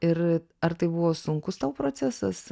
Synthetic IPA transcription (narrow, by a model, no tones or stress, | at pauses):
ɪɾ | ɐɾt̪ɐɪbuʋoːsʊŋkʊst̪ɐʊpɾoːt͡s̪ʲæsɐs